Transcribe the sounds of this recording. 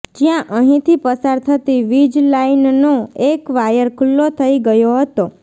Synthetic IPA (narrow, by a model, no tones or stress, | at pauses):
d͡ʒjãʔəɦĩt̪ʰipəsaɾt̪ʰət̪iʋid͡ʒlainnoekʋajəɾkʰʊlːot̪ʰəiɡəjoɦət̪o